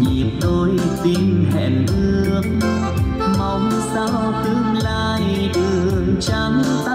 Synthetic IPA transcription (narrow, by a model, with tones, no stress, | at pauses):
ɲi˨˩ət̪o˧jsï˧ŋ̟hɛ̰˧˩nt̪ɨ˧əəŋ | ma˧˩wŋ͡msa˧wt̪ɨ˧˦ŋlaː˧j | ɗɨ˨˧˩əŋt͡ɕa˧ŋ